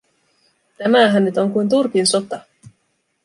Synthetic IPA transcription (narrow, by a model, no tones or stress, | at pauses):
t̪æmæɦænnyt̪o̞ŋkujnt̪̬urkinso̞t̪ɑ